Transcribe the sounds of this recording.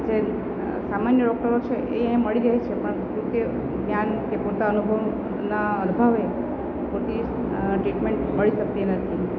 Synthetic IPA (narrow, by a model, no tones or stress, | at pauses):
d͡ʒe | samanjəɖɔk̚ʈəɾot͡ʃʰeʔeẽməɭiɾəɦet͡ʃʰepəɳɦd͡ʒũke | ɡnjankepot̪aənubʱəʋ | naənbʱaʋe | pot̪i | ʈɾiʈmeɳʈməɭiʃək̚t̪inət̪ʰi